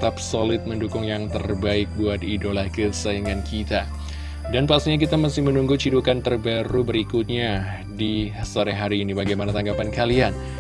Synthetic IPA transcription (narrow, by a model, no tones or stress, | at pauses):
t̪ap̚solɪt̪̚məndukʊŋjaŋt̪ərbaɪk̚buat̪idolahkəsaiŋankʰit̪a | danpast̪iɲak̬it̪amasɪhmənuŋɡut͡ʃidukant̪ərbaɾubəɾikut̪̚ɲa | disoɾɛɦaɾiːnibaɡajmanat̪aŋɡapankalian